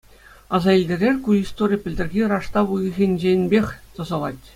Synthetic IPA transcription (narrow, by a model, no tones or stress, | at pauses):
ɑzɑilʲdʲeɾʲerʲkuist̪orʲipʲɘ̆lʲdʲɘ̆rʲɡʲirɑʂt̪ɑʋujɤ̆ɣʲenʲd͡ʑenʲbʲexʲt̪ɤ̆zɤ̆lˠɑtʲ